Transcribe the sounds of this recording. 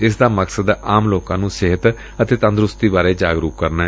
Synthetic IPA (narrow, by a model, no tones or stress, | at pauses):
ɪs̬d̪aːməksəd̪aːmloːkãːnũːsɪɦət̪ | ət̪eːt̪ə̃nd̪ɾʊst̪iːbaːɾeːd͡ʒaːɡɾuːkːəɾnaːɛ